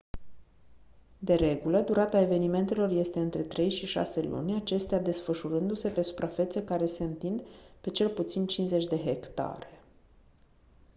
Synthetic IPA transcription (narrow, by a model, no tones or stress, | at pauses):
d̪e̞ɾe̞ɡuləd̪uɾat̪ae̞ve̞nime̞nt̪e̞lo̞rje̞st̪e̞ɨnt̪ɾe̞t̪ɾe̞jʃiʃa̰se̞lṵnʲat͡ʃe̞st̪ead̪e̞sfəʃuɾɨnd̪use̞pe̞su̥pɾafe̞t̪se̞kaɾe̞se̞ɨnt̪ind̪pe̞t͡ʃe̞lput̪sint͡ʃinze̞t͡ʃʲd̪e̞ɦe̞kt̪a̰ɾe̞